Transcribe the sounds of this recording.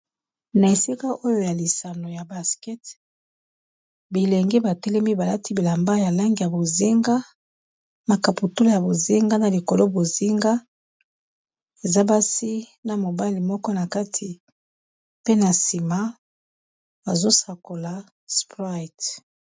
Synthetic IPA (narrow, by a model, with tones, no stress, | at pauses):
na˨e˨si˦ka˦ʔo˦jo˦ja˨li˨sa˨no˨ja˨ba˨skɛ˦t | bi˨lɛ˨ŋɡi˦ba˨tɛ˦lɛ˦mi˦ba˨la˦ti˦bi˨la˨mba˦ja˨la˦ŋɡi˨ja˨bo˨zi˦ŋɡa˦ | ma˨ka˨pu˨tu˦la˦˨ja˨bo˨zi˦ŋɡa˦na˨li˨ko˨lo˦bo˨zi˦ŋɡa˦ | e˨za˦ba˦si˦na˨mo˨ba˦li˨mɔ˦kɔ˦na˨ka˦tʰi˨ | pe˦na˨si˨ma˦ | ba˨zo˦sa˨ko˨la˨ | spʁa˦˨t